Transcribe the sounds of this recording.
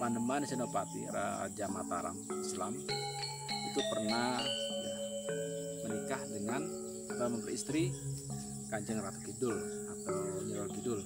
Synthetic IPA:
panəmansənopat̪ḭra̰d͡ʒamat̪aɾa̰ŋislam | it̪upərnaja | mənikahdəŋan | t̪amənt̪əist̪ɾi | kaɲd͡ʒəŋrat̪u̥kidʊl | at̪awɲəɾɔlkidʊl

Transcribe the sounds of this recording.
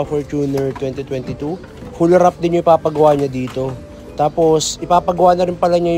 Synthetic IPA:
fɔɹt͡ʃuːnɛɹt̪wɛnt̪it̪wɛnt̪ɪt̪u | hʊlɐɾap̚d̪ɪnjʊŋʔɪpaːpɐɡɐwaːɲɐd̪iːt̪o̞ | t̪aːpo̞sʔɪpaːpɐɡɐwaːnɐɾɪnpɐlɐɲaj

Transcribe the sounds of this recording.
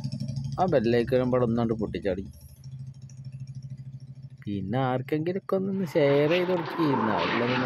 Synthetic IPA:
aːbelːeːkːɐɾɐmbɐɭɐmnɐɳɖɨpuʈːit͡ɕːaːɽiɲːu | pinːe̞aːrkːeŋɡilokːonːinːɨɕeːrejiðorukːiɾinːɐɐ̰lːɐðɨn

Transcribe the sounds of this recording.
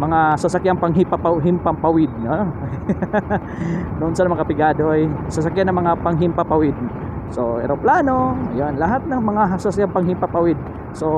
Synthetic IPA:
mɐŋasɐsɐkjaŋpɐŋɦɪpɐpaɦɪmpɐmpɐwɪd̪̚no | nʊʔʊnsɐnɐmɐŋkɐpɪɡaːd̪oʔjsɐsɐkjanɐŋmɐŋapɐŋɦɪmpapɐwɪd̪̚ | soɛ̰ɾoplaːnoɐjonlɐɦat̪̚nɐŋmɐŋasɐsakjaŋpɐŋɦɪmpapɐwɪd̪̚ | so

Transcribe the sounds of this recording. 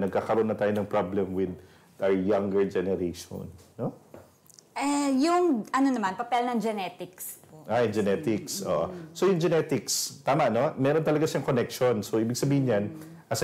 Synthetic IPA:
nɐɡ̚kakɐɾonːɐt̪aːjonɐŋpɹablɛmwɪd̪ | ɐɹjaŋɡɛɹd͡ʒɛnɛɾejʃo̰nːo | ʔɛjʊŋʔɐnonɐmanpɐpɛlnɐŋd͡ʒɛnɛt̪ɪksʔajd͡ʒɛnɛt̪ɪksʔo̰ːʔosojʊŋd͡ʒɛnɛt̪ɪkst̪aːmɐʔno̞mɛːɾo̞nt̪ɐlɐɡasɪʃɐŋkonɛk̚ʃo̞nsoʔiːbɪɡ̚sɐbiːhɪɲɲan | ʔɐs

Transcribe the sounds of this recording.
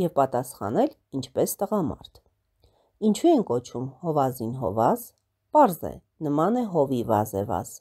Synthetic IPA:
jɛvpɑt̪ɑsχɑ̰nɛl | int͡ʃʰpɛst̪əʁɑmɑ̰ɾt̪ʰ | int͡ʃʰuɛŋkɔt͡ʃʰumhɔvɑzinɦɔ̰vɑz | pɑɾzɛ̰ | nəmɑnɛɦɔvivɑ̰zɛ̰vɑ̰z̥

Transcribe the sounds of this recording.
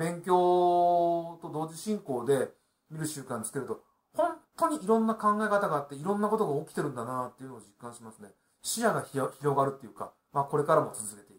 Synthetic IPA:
bẽ̞ŋkʲo̞ː | t̪o̞d̪o̞ːʑiɕĩŋko̞ːd̪e̞ | mʲiɾɯ̟ɕɨːkãɲ̟t͡sɨ̥t̪eɾɯ̟t̪o | hõ̞nt̪o̞ɲ̟iʔiɾõ̞nːakãŋɡaekat̪aɡaːt̪ːe̞iɾõ̞nːako̞t̪o̞ɡaokʲi̥t̪e̞ɾɯ̟̃nd̪anat̪ːe̞iɯ̟noːd͡ʑikːãɕimasɨne̞ | ɕiaɡaççiɾo̞ɡaɾɯ̟t̪ːejɯ̟ka | maːko̞ɾe̞kaɾamo̞t͡sɨzɨke̞t̪e̞i

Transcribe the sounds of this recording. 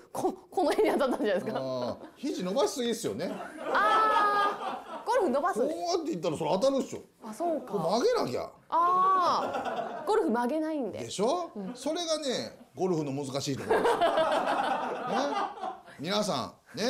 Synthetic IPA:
kʰokʰonohẽɲiat̪ːat̪ːaɲd͡ʑanaeskaçiʑino̞baɕi̥sɨɡʲisɨjo̞̰nea | ɡ̥o̞ɾɯ̟ɸɯ̟no̞basoat̪ːe̞it̪̬ːaɾaso̞ɾeat̪̬aɾɯɕo̰ | asoːkaomaɡe̞na̰ɡʲa̰ | aː | ɡ̥o̞ɾɯ̟ɸɯ̟maɡe̞naĩnd̪ed̪e̞ɕõso̞ɾe̞ɡane̞ | ɡo̞ɾɯ̟ɸɯ̟no̞mɯzɨkaɕiːt̪ok | ne | mʲinas̬ã̰ŋ | ne̞

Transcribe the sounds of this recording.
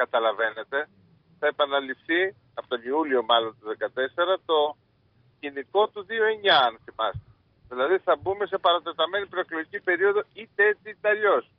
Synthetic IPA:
kɐt̪ɐlɐve̞ne̞t̪e̞ | θɐepɐnɐlifθi | ɐpo̥t̪oniulio̞mɐlo̞nt̪uðe̞kɐt̪e̞se̞ɾɐt̪o̞ | ciniko̞t̪uðio̞e̞ɲɐɐnθimɐst̪e | ðilɐðiθɐbume̞se̞pɐɾɐt̪e̞t̪ɐme̞nipɾo̞eklo̞ʝicipe̞ɾio̞ðo̞it̪eet͡siit̪ɐʎo̞s

